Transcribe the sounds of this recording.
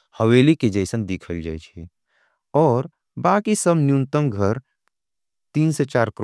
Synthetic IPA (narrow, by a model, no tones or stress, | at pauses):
həweːliked͡ʒəɪsənd̪ikʰəld͡ʒaːjt͡ʃʰi | ɔːɾ | baːkisəbnjunt̪əmɡʱəɾ | t̪iːnset͡ʃaːɾkɾ